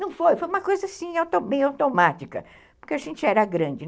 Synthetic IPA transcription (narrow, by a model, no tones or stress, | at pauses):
nɐ̃w̃fojfojũmɐkojzɐsĩawt̪obẽj̃awt̪omat͡ʃikɐ̰ | poɾkeaʒẽnt͡ʃɪɛɾɐɡɾɐ̃nd͡ʒɪ